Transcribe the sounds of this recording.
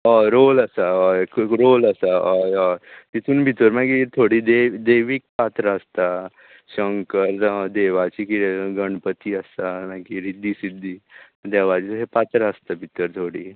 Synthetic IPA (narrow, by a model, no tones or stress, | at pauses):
ɔɾoləsaɔkɾoləsaɔɔt̪it̪ʰuːnbʱit̪əɾmaɡit̪ʰoɽiːd̪ed̪eʋiːk̚pat̪ɾəəst̪a | ɕəŋkəɾd̪eʋat͡ɕikiɡəɳpət̪iːəst̪amaɡiɾid̪ːiːsid̪ːiː | d̪eʋat͡ɕit̪ɦepat̪ɾəəst̪abʱit̪əɾt̪ʰoɽiː